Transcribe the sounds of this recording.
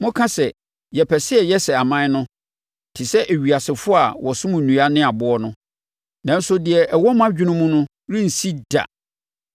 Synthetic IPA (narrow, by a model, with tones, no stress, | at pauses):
mʊ̃˦kʰã˦sɛ˨ | jɛ˨pʰɛ˨sɪ˦ɛ˨jɛ˦sɛ˨a˨mã˦nʊ̃˦˨ | tʰɪ˨sɛ˦ʔæ˨ɥi˨a˨sɪ˨fʊ˦a˨wɔ˨sʊ̃˦mũ˨nũ˨a˦nɪ̃˦a˨bʊ˦ɔ˦nʊ̃˦ | nã˨n̩˦sʊ˦dɪ˨ɛ˨ʔɛ˨wɔ˦m˦ã˦d͡ʑᶣɪ˦nʊ̃˦mũ˦nʊ̃˦ | ɾĩ˦n̩˨si˦d̥a̰˨